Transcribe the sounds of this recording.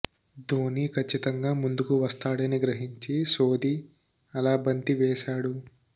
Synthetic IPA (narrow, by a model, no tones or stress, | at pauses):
d̪oːnikʰɐt͡ʃːit̪ɐŋɡaːmund̪ukuʋɐst̪aːɽɐniɡɾɐɦiɲt͡ʃisoːd̪i | ɐlaːbɐnt̪iʋɛːʃaːɽu